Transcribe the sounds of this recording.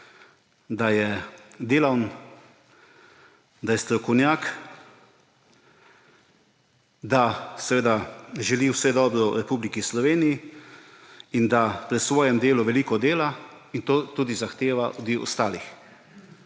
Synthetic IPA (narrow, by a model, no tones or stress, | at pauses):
d̪ajɛd̪eːlawn | d̪ajɛst̪ɾɔkɔwnjaːk | d̪asɛʋeːd̪aʒɛliwsɛd̪ɔːbɾɔɾɛpublikislɔʋeːniji | ind̪apɾɛsʋɔːjɛmd̪eːluʋɛliːkɔd̪eːla | int̪oːt̪uːd̪izaxt̪eːʋaʔud̪ʋiwɔ̰st̪aːlix